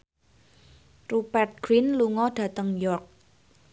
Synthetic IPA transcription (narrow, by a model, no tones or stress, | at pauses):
rupɛrt̪̚ɡ̥ɾinluŋɔɖ̥ä̤t̪əŋjɔrk̚